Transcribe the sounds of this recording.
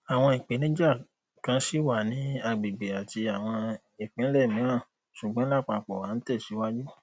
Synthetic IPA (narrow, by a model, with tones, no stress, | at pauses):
a˨w̃ɔ̃˧i˨k͡pe˨˦nĩ˦d͡ʒa˦˨ | kã˨˦ʃi˦˨wa˦˨nĩ˨˦a˧ɡ͡bi˨ɡ͡be˨a˨ti˧a˨w̃ɔ̃˧ | i˨k͡pĩ˨˦lɛ˦˨mĩ˨˦ã˦˨ | ʃu˨ɡ͡bɔ̃˨˦la˦˨k͡pã˧˨k͡pɔ̰˨a˨˦n̩˦tɛ˦˨ʃi˨˦wa˦d͡ʒu˦